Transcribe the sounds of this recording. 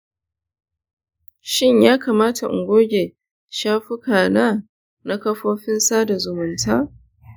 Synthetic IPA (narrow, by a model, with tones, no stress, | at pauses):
ʃɪ˦ɲjaː˦kaː˨maː˦tʰa˨ʔʊ̰˨ŋɡʷoː˦ɡʲe˨ | ʃaː˦ɸi˦kaː˨naː˦ | na˦kɐ˦ɸoː˦ɸɪ˦nsaː˦da˨zʊ˨mʊ˨ntʰaː˦